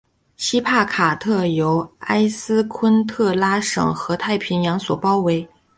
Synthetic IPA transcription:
ɕi˥pʰa˥˩kʰa˨˩t̪ʰɤ˥˩jo˧˥ʊa˥ɪsɹ̩˥kʰwə˥nt̪ʰɤ˥˩la˥ʂɤ̰˨˩ŋxɤ˧˥t̪ʰa˥˩ɪpʰi˧˥njɑ˧˥ŋswɔ˨˩pɑ˥ʊwe˧˥ɪ

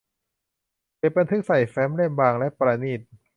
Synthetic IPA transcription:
ke˨˩t̚ba˧nt̪ʰɯ˦˥k̚sa˨˩jfɛː˦˥mle˥˩mbaː˧ŋlɛ˦˥ʔpɾaː˧niː˥˩t̪̚

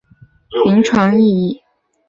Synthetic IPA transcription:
i˧˥ŋʈ͡ʂʰwa˧˥ŋi˥˧i˥˩

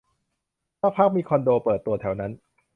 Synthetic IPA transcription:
pʰaː˦˥˩k̚pʰa˦˥˩k̚miː˧kʰɔ˧ndoː˧pɤː˨˩t̪ːu˧ɐt̪ʰɛ˩˦wna˦˥n

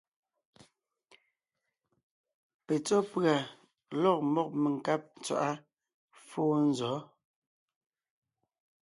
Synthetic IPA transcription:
pe˨t͡sɔ˦pɰa˨ | lɔ˦˨k̚mɔ˦k̚me˨ŋ̩˨ka˦p̚n˨t͡swa̰˨ʔa˦ | foː˦n̩˦zɔ˨˦

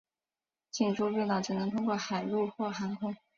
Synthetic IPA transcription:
t͡ɕi˥˩nʈ͡ʂu˥˧we˥˧ɪt̪ɑ˥˩ʊʈ͡ʂɻ̩˨˩nɤ˧˥ŋt̪ʰʊ˥ŋkwɔ˥˩xa˨˩ɪlu˥˧xwɔ˥˩xa˧˥ŋkʰʊ˥ŋ

